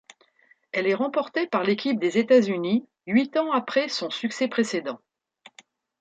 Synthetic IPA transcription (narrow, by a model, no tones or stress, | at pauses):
ɛlɛʁɑ̃pɔʁt̪epaʁlekʲip̚d̪ezet̪azyni | ɥit̪ɑ̃apχɛsɔ̃syksɛpχesed̪ɑ̃